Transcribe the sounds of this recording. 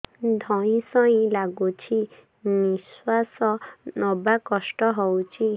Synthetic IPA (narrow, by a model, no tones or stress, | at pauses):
d̪ʱɔĩsɔĩlaɡut͡ʃʰi | niswasɔnɔbakɔsʈɔɦɔwt͡ʃʰi